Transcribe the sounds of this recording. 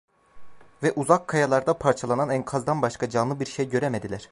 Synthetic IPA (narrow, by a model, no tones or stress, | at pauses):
vɛʔuzakʰːajalˠaɾd̪apʰaɾt͡ʃʰalˠananænkʰazd̪anbaʃkad͡ʒanlˠɯbiɾʃejɟø̞ɾemed̪ilʲæɾ̥